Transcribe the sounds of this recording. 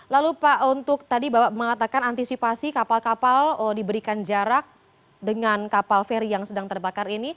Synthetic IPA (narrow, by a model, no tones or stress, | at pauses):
lalupaʔunt̪ʊk̚t̪adibaməŋat̪akanant̪isipasikapalkapalədibəɾikand͡ʒaɾak̚ | dəŋankapalfɛɾijaŋsədaŋt̪ərbakarini